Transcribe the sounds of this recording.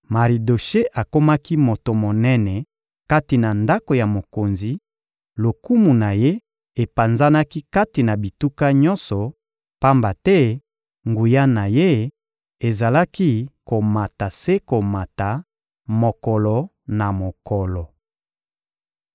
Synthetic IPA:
ma˨ʁi˨do˨ʃe˦ʔa˨ko˦ma˦ki˦mo˨to˨mo˨nɛ˦nɛ˨ | ka˦ti˨na˨nda˦ko˨ja˨mo˨ko˨nzi˨ | lo˨ku˦mu˨na˨je˦ | e˨pa˨nza˦na˦ki˦ka˦ti˨na˨bi˨tu˦ka˦ɲɔ̃˦nsɔ˨ | pa˦mba˨tɛ˦ | ŋɡu˨ja˦na˨je˦ | e˨za˨la˦ki˦ko˨ma˨ta˨se˦ko˨ma˨ta˨ | mo˨kɔ˨lɔ˨ | na˨mo˨kɔ˨lɔ˨

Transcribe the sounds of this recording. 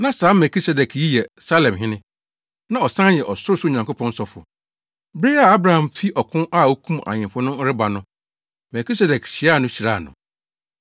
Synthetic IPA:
nã˦saː˨˦mɛ˨kʰi˦sɛ˨dɛ˨kʰji˦jɛ˨sa˦lɛ̃˨mɦɪ̃˦nɪ̃˦ | nã˦ɔ˨sã˦jɛ˨ʔɔ˨sʊ˦ɾʊ˦sʊ˦˨ɲã˨ŋkʰo˦pʰɔ̃˦n̩˦sɔ˦fʊ̰˨ | bɾi˦a˨a˦bɾa˨hã˨mfi˦ʔɔ˨kʰʊ̃˦ʔa˦˨o˦kʰũ˦ma̰˨ɲɪ̃˨mfʊ˦nʊ̃˦ɾɪ˦ba˨nʊ̃˦ | mɛ˨kʰi˦sɛ˨dɛ˨kɕɪ˨a˦˨nʊ̃˦ɕi˨ɾaː˦˨nʊ̰̃˨

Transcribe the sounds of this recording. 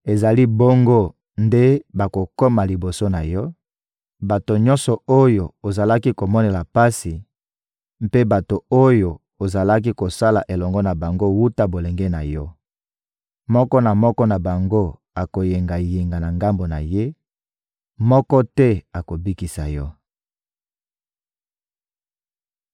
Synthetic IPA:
e˨za˨li˦bo˦ŋɡo˦ | nde˦ba˨ko˨ko˦ma˨li˨bo˨so˦na˨jɔ˦ | ba˨to˨ɲɔ̃˦nsɔ˨o˦jo˨o˨za˨la˦ki˦ko˨mɔ˦ne˨la˨pa˦si˨ | m̩˦pe˦ba˨to˨o˦jo˨ | o˨za˨la˦k̬i˦ko˨sa˦la˨ʔe˨lɔ˨ŋɡɔ˦na˨ba˨ŋɡo˦wu˦ta˦bo˨le˨ŋɡɛ˦na̰˨jɔ˦ | mɔ˦kɔ˦na˨mɔ˦kɔ˦na˨ba˨ŋɡo˦ | a˨ko˨je˨ŋɡa˨je˨ŋɡa˨na˨ŋɡa˦mbo˨na̰˨je˦ | mɔ˦kɔ˦tɛ˦a˨ko˨bi˦ki˨sa˨jɔ˦

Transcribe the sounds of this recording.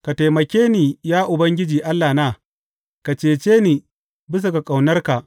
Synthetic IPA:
ka˨ta˨jmɐ˨kʲeː˦niː˨jaː˦ʔʊ˨bɐ˦ŋɡʲɪ˦d͡ʒiː˨ʔa˦lːaː˨naː˦ | ka˨t͡ʃeː˨t͡ʃeː˦niː˨ | bɪ˦s̬u˨ka˨kʼa˨wnɐ˦rka˨ʔ

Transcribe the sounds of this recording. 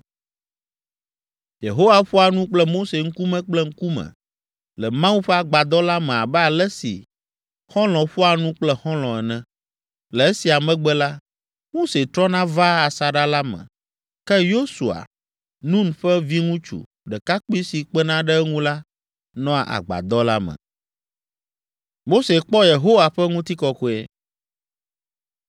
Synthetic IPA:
jḛ˨ɦo˦wa˨ɸɔ˦a˨nũ˦k͡plɛ˦mo˦se˨ŋ̩˦ku˦mɛ̃˦k͡plɛ˦ŋ̩˦ku˦mɛ̰̃˨ | lɛ˨mã˦u˦ɸɛ˦a˨ɡ͡ba˨d̪ɔ˦la˦mɛ̃˨a˨bɛ˦a˨lɛ˦sḭ˨ | xɔ̃˦lɔ̃˨ɸɔ˦a˨nũ˦k͡plɛ˦xɔ̃˦l̃ɔ̃˨ɛ˨nɛ̃˨ | lɛ˨ɛ˦si˨a˨mɛ̃˦ɡ͡bɛ˦la˦ | mo˦se˨t̪ɾɔ˦nã˦va˦a˨sa˨ɖa˦la˦mɛ̰̃˨ | kɛ˦jo˦su˨a̰˨ | nũ˦n˨ɸɛ˦vi˦ŋũ˦t͡ʃṵ˨ | ɖɛ˨ka˦k͡pu˦i˦si˨k͡pɛ˦nã˦ɖɛ˦ŋũ˦la˦ | nɔ̃˦a̰˨ʔa̰˨ɡ͡ba̰˨d̪ɔ˦la˦mɛ̰̃˨ | mo˦se˨k͡pɔ˦je˨ɦo˦wa˨ɸɛ˦ŋũ˦t̪i˦kɔ˦ko˦ɛ̰˦

